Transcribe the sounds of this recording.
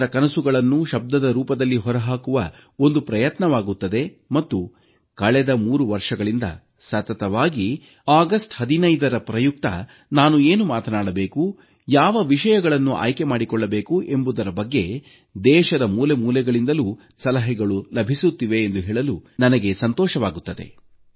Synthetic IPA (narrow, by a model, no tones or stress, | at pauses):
ɾɐkɐnɐsuɡɐɭɐnːuʃɐb̚d̪ɐd̪ɐɾuːpɐd̪ɐlːiɦɔɾɐɦaːkuʋɐo̞nd̪upɾɐjɐt̪nɐʋaːɡut̪ːɐd̪e̞ | mɐt̪ːu | kɐɭɛd̪ɐmuːɾuʋɐɾʂɐɡɐɭind̪ɐ̰ | sɐt̪ɐt̪ɐʋaːɡi | aːɡɐsʈhɐd̪inɐjd̪ɐɾɐpɾɐjuk̚t̪ɐ̰ | naːnueːnumaːt̪ɐnaːɽɐbe̞ːku | jaːʋɐʋiʃɐjɐɡɐɭɐnːuʔa̰ːjkemaːɽikɔɭːɐbe̞ːkuʔe̞mbud̪ɐɾɐbɐɡːe̞ | d̪ɛːʃɐd̪ɐmuːlemuːlɛɡɐɭind̪ɐluː | sɐlɐɦɛɡɐɭulɐbʱisut̪ːiʋe̞ːnd̪uɦeːɭɐlunɐnɐɡe̞sɐnt̪ɔːʃɐʋaːɡut̪ːɐd̪e̞̰